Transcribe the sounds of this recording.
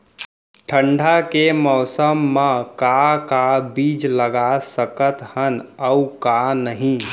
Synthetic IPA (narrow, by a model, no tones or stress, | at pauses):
ʈʰə̃ɳɖʱakemɔːsəmːãkakabiːd͡ʒləɡasəkət̪hənəukanəɦĩ